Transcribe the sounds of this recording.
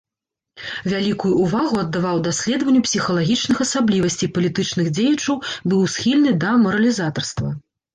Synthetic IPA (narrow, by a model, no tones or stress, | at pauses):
vʲalʲikujuːvaɣuɐd̪ːavawd̪asʲlʲɛd̪vɐnʲːupsʲixɐlˠaɣʲit͡ʂnɨxɐsablʲivɐsʲt͡sʲipɐlʲit̪ɨt͡ʂn̪ɨɣd͡zʲejɐt͡ʂɐwbɨwsxʲilʲnɨd̪ɐmɐɾɐlʲizat̪ɐrst̪vɐ̰